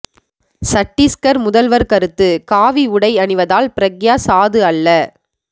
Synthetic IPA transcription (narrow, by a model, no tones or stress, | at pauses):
sɐʈːiskɐɾmʊðɐlʋɐɾkɐɾɯt̪ːɯkaːʋiʊɽɐɪɐɳɯʋɐðaːlpɪɾɐɡjaːsaːðɯɐlːɐ